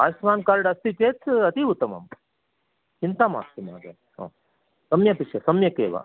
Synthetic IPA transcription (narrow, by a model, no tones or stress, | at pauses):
a̰ːsʋaːnkaːɾɖɐst̪it͡ʃeːt͡sʰɐt̪iut̪ːɐmɐ̰m | t͡ʃint̪ama̰ːsimaːɡɐ̰ | õ̰ː | sɐmjɐpiʃɐsɐmjɐkeːʋa̰ː